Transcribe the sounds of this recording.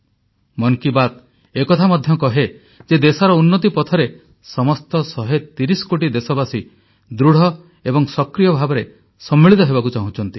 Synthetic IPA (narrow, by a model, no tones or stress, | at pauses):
mɔŋkibat̪ | ekɔt̪ʰamɔd̪ʱjɔkɔɦe | d͡ʒed̪esɔɾɔunːɔt̪̬ipɔt̪ʰɔɾe | sɔmɔst̪ɔsɔɦet̪iɾisɔ̥koʈid̪esɔbasi | d̪ɾuɽ̤ɔ | ebɔŋsɔkɾijɔbʱabɔɾe | sɔmːiɭit̪ɔɦebakut͡ʃaɦũt͡ʃʰɔnt̪i